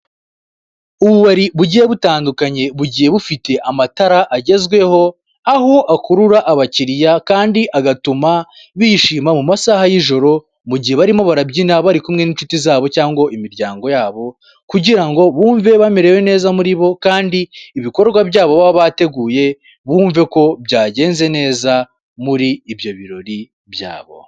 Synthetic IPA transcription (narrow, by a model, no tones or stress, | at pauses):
uβuβaɾiβuɟije̞βutaːndukaɲe̞βuɟije̞βufite̞ʔamataɾaʔaɟe̞zɡwe̞ho̞ | aɦoʔakuɾuɾaʔaβaciɾijakaːndiʔaɡatuma | βijiʃiːmamumasaːhajiʒo̞ɾo̞ | muɟiheβaɾimo̞βaɾabɟinaβaɾikumŋe̞nint͡ʃutizaːβo̞caːŋɡo̞ʔimiɾjaːŋɡo̞jaːβo̞ | kuɟiɾaŋɡo̞βuːɱve̞βameɾe̞we̞ne̞ːzamuɾiβo̞kaːndiːβiko̞ɾɡwabjaːβo̞βaββate̞ɡuːje̞ | βuːɱve̞ko̞bjaːɟe̞ːnze̞ne̞ːza | muɾiːβjo̞βiɾo̞ɾi | bja̰ːβo̞̰